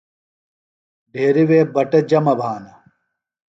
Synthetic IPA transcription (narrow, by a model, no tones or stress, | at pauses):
ɖʱeːɾiweːbɐʈɐd͡ʑɐmɐbʱaːnɐ